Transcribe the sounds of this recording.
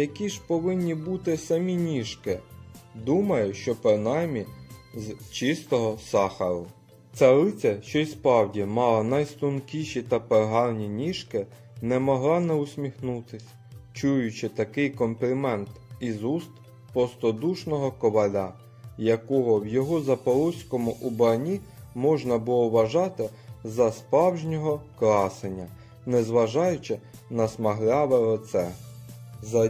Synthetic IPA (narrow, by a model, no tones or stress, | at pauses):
jɐkʲiʒpɔʋɪnʲːibut̪ɪsɐmʲinʲiʃkɪd̪umɐjʊʃt͡ʃɔpɾɪnɑjmʲizt͡ʃɪst̪ɔɦɔsɑxɐɾʊ | t͡sʲaɾɪt͡sʲɐʃt͡ʃɔjspɾɑwdʲimɑlˠɐnɐjst̪ʊnkʲiʃit̪ɐperɦɑlnʲinʲiʃkɪ | nɛmɔɦlˠɑnɛʊsʲmʲixnut̪ɪsʲ | t͡ʃujʊt͡ʃɪt̪ɐkɪjkɔmplʲimɛnt̪izust̪ | pɾɔst̪ɔd̪uʃnɔɦɔkɔʋɐlʲa | jɐkɔɦɔwjɔɦɔzɐpɔlˠusʲkɔmʊʔubɾɐnʲimɔʒnɐbʊlˠɔʋɐʒɑt̪ɪzɐspɾɑwʒʲnʲɔɦɔkɾɑsenʲːɐ | nɛzʋɐʒɑjʊt͡ʃɪ | nɐsmɐɦlʲɑʋeɾɔt̪sɛ | zɐ